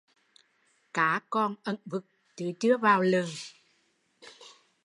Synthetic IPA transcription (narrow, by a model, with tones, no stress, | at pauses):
kaː˨˦kɔ˧nʔə˧˩nvɨ˨˩k̚ | t͡ɕɨ˨˦t͡ɕɨ˨˦əvaː˨˩wlɨ˨˩ŋ